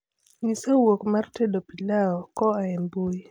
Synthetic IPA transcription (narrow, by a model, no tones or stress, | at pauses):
nisawokmartɛdɔpilaɔkɔaɛmboi